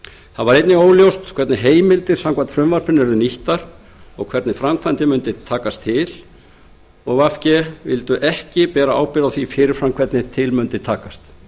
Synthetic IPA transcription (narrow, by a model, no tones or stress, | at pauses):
θaðvaɾejt̪nɪɣoːwljowst̪kʰvɛɾt̪nɪɦeːjmɪlt̪ɪɾ̥samkvant̪fɾʏmvaɾ̥pɪnːɪɾʏniht̪aɾ̥ | ɔɣkʰvɛɾt̪nɪfɾamkʰvant̪ɪmʏnt̪ɪt̪ʰːaːkast̪ʰːɪl | ɔɣvafcɛvɪ̰lt̪ʏʔɛhcɪpɛːɾaaːwpɪɾaθifɪɾɪɾ̥fɾamkʰvɛt̪nɪt̪ʰɪlmʏnt̪ɪt̪ʰaːkast̪